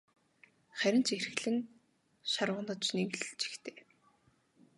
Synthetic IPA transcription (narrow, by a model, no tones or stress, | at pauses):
χæɾʲɪ̆n̥t͡ɕerx̆ɮɘ̆n | ʃarʁə̆nə̆t͡ɕnewɮt͡ɕʰi̥xt̪ʰeː